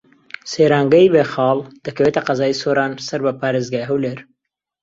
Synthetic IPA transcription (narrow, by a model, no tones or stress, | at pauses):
seːɾaːŋɡɐibeːxɑːld̪̥ɐkɐweːt̪ɐqɐzaːisoːɾaːnsɐɾbɐpaːɾeːzɡaːjɦɐwleːɾ